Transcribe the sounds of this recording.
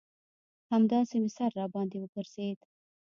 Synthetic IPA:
hamd̪ɑsemɪsaɾːɑbɑnd̪ewəpəɾsed̪

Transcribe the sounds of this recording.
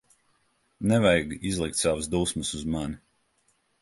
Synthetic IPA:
nɛvajɡizlˠik̚t̪ʲsawusd̪uːsmɨsuzmani

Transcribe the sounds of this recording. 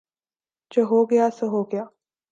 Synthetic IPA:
d͡ʒoɦoːɡɐjasəɦoːɡɐjaː

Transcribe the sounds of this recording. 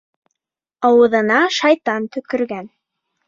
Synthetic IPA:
ɑwɤ̆ðɤ̆nɑʃɑjt̪ɑnt̪ɵ̆kɵ̆ɾɡæn

